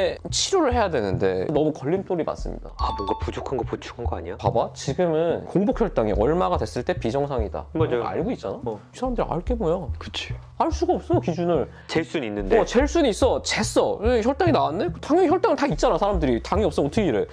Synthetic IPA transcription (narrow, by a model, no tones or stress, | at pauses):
t͡ɕʰiɾoɾɯɭhe̞jadwe̞nɯnde̞̰nʌmukʌʎːint͈oɾima̰s͈ɯ̰mɲḭda̰abonɡapud͡ʑokʰanɡʌpot͡ɕʰuɡanɡʌaɲijapabat͡ɕiɡɯmɯnkoŋbok̚ʰçjʌɭt͈aŋḭʔʌɭmaɡadwe̞s͈ɯɭt͈e̞pid͡ʑʌŋsʰaŋida̰maa̰ɭɡoit̚t͡ɕ͈anaisʰaɾamdɯɾiʔa̰ɭk͈e̞mojakɯ̥t͡ɕʰi̥ | aɭs͈uɡaʌp̚s͈ʌkid͡ʑunɯɭ | t͡ɕeɭs͈uninːɯndeʌt͡ɕe̞ɭs͈unis͈ʌt͡ɕe̞s͈ʌeçjʌɭt͈aŋinawande̞ktaŋjʌŋiçjʌɭt͈aŋɯɭtait̚t͡ɕ͈anasʰaɾamdɯɾitaŋiʌp̚s͈ʌːtʰɯɡʰeiɾɯ